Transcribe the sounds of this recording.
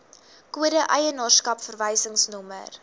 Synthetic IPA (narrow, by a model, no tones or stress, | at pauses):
kuəɾəʔəjənɑːrskɐpfərvəjsəŋsnɔmə̰r